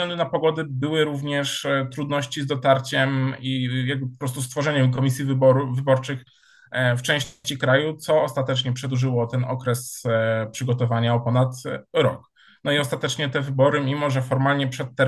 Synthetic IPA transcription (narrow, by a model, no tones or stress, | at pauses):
zɡlɛnd̪unapɔɡɔd̪ɘbɘwɘɾuvɲɛʂt̪ɾud̪nɔɕt͡ɕizd̪ɔt̪aɾt͡ɕɛmijaɡ̚bɘpɔ̥pɾɔst̪ust̪fɔʐɛɲɛmkɔmʲisʲjivbɔɾuvɘbɔɾt͡ʂɘx | ft͡ʂɛ̃w̃ɕt͡ɕikɾajut̪sɔːst̪at̪ɛt͡ʂɲɛpʂɛd̪uʐɘwɔt̪ɛnɔkɾɛspʂɘɡɔt̪ɔvaɲaɔpɔnat̪ɾɔ̰k | nɔiɔst̪at̪ɛt͡ʂɲɛt̪ɛvɘbɔɾɘmʲimɔʐɛfɔɾmalɲɛpʂɛt̪ːɛ